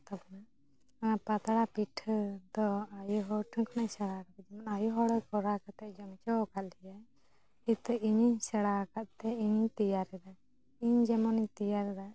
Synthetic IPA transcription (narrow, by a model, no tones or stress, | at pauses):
t̪ɔpna | pat̪aɽapiʈʰd̪ɔajuɦɔʈʰəkʰɔnajsɛɽakak̪ɛd͡ʒɛmanajuɦɔɽɔkɔɾakat̪ɛʔd͡ʒɔmt͡ʃɔkat̪̚lɛja | it̪əiɲisɛɽakat̪̚t̪ɛiɲit̪ijaɾɛd̪a | iɲd͡ʒɛmɔnit̪ijaɾɛd̪a